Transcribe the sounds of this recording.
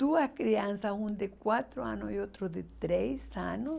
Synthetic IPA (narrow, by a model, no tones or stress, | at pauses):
t̪uahkɾiansaũnd̪ekwat̪ɾoa̰nojot̪ɾod̪et̪ɾejsano